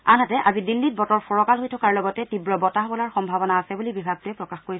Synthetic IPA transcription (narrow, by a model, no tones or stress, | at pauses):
anatɛʔazidilːit̚bɔtɔɹpɔɹɔkalɦojtʰɔkaɹlɔɡɔtɛtibɹɔbɔtaɦbɔlaɹxɔmbʱabɔnaːsɛbulibibʱaɡ̚tʊɛpɹɔkaxkoɹis